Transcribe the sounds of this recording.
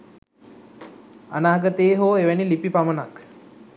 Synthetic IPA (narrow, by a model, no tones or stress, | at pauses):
a̰naːɡət̪eːɦoːeʋænilipipamənak